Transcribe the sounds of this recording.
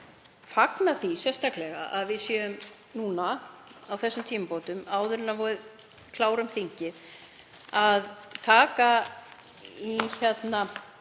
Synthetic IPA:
faknaθisjɛst̪aklɛɣa̰ʔaðvɪðsjɛʏm | nuːnaawθɛsːʏmt̪ʰiːmapoːwt̪ʏmaːwðʏɾɪnːavɔɾʏð | kʰlaːwɾʏmθiɲcɪð | aðt̪ʰaːka | içɛt̪na

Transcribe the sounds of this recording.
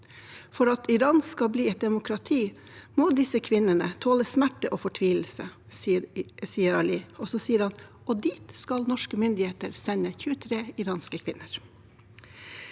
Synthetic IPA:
fɔɾɑt̪ɪɾɑːnskɑbliːɛt̪̚d̪ɛmʊkʰɾɑt̪ʰiː | moːd̪ɪsəkʰʋɪnənət̪ʰoːləsmæʈəʔoːfɔʈʰʋiːl̩sə | siːəɾɑliːɔsɔsiːəɾhɑn | ɔd̪iːt̪skɑlnɔʂkəmʏnd̪ɪheːt̪əɾsɛɲəçʉːət̪ʰɾeːɪɾɑːnskəkʰʋɪnːəɾ

